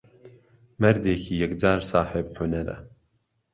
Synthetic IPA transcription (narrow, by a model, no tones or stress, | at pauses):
mɛɾd̪eːkʰiːjɛkd͡ʒaːɾsaːħebħʊnɛɾɛ̰